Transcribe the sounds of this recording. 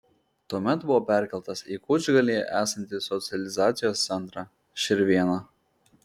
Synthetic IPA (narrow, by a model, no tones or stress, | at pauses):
t̪uɔmʲɛt̪bʊʋɔːpʲæˑɾʲkʲɛlˠt̪ɐsiːkʊd͡ʒʲɡɐlʲiːʔæːsɐnʲt̪ʲɪsɔt̪sʲɪɛlʲɪzɑːt̪sʲɪjoːst̪sʲɛnt̪ɾɑː | ʃʲɪɾʲʋʲiɛnɑː